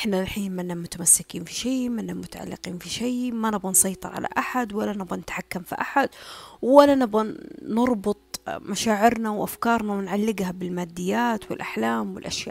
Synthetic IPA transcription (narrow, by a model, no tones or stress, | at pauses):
ʔɪħnaɪlħiːnmɪnːamʊt̪amasːɪkiːnfi̥ʃeːmanːamʊt̪aʕa̰lːɪ̰qiːnfiʃeːmanɪbɣansˤɑjt̪ˤɨɾˤʕa̰la̰ʔaħad̪walːanɪbɣanɪt̪ħakːamfḭʔaħad̪walːanɪbɣaːɑɾˤbʊt̪ˤmaʃaːʕɪɾnawʔafkɑːɾˤnawɪnʕalːɪɡhabɪlmaːd̪ːɪjːaːt̪wɪ̰lʔaħlaːmwɪ̰lʔaʃja̰ːʔ